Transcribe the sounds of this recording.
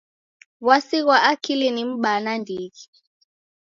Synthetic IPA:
wasiɣwaʔakʰilinim̩ɓanandʱiɣi

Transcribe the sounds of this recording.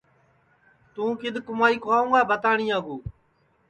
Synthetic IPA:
t̪ũːkɪd̪ʱkʊmaːiːkʰoaːũːɡaːbət̪aːɳĩːãːɡuː

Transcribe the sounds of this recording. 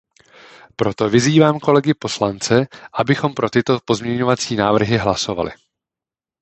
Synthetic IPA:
pɾo̞t̪o̞vɪziːvaːmko̞lɛɡɪpo̞slant͡sɛʔabɪxo̞mpɾo̞t̪ɪt̪o̞po̞zmɲɛɲo̞vat͡siːnaːvr̩ɦɪɦlaso̞va̰lɪ̰

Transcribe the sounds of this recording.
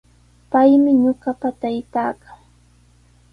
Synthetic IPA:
pajmɪɲoɢɑpat̪ajt̪aːkaŋ

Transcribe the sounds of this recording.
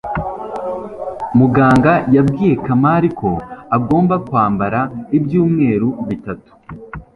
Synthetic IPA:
muɡaːŋɡajabɡiːje̞kamaɾikʰo̞aɡo̞ːmbakwaːmbaɾaibjuːmŋe̞ːɾuβitatu̥

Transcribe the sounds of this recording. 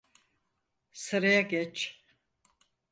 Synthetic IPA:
sɨɾajaɡɛt͡ʃ

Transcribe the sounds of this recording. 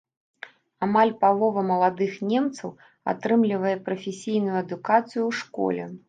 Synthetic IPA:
amalʲpalˠɔvɐmɐlˠad̪ɨxnʲɛmt̪sɐw | a̰t̪ɾɨmlʲivɐjɛpɾɐfʲesʲijnujuɐd̪ukat̪sɨjuwʂkɔ̰lʲɛ̰

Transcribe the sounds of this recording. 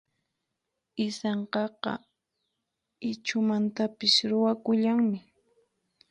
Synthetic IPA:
ɪsɑɴqɑqɑ̰ | ɪt͡ʃʊmant̪apɪsɾʊwakʊʎaŋmɪ

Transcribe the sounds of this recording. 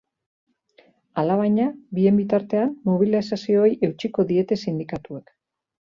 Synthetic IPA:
alaβ̞ajɲabie̞mbit̪aɾt̪e̞anːoβ̞ilasasio̞jʔe̞wt͡ʃiko̞ðie̞t̪e̞sind̪ikat̪ue̞k

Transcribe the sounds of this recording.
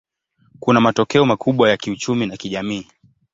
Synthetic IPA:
kunamatɔkɛɔmakʰuɓwajakiut͡ʃuminakiʄamiː

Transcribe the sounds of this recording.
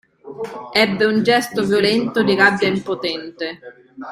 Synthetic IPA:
ɛbːeund͡ʒɛst̪ovjolɛnt̪od̪iɡabːjaimpot̪ɛnt̪e

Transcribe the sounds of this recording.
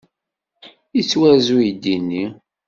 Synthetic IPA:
it͡sːwæzujd̪inːi

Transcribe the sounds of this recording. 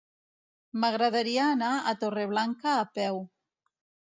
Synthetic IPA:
maɣɾaðaɾiaːnaat̪oreβ̞laŋkaːpɛw

